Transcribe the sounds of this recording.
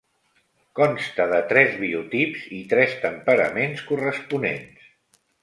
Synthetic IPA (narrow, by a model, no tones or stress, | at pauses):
kɔmst̪əðət̪ɾɛzβiut̪ipzit̪ɾɛst̪əmpəɾə̰menskurəspunḛns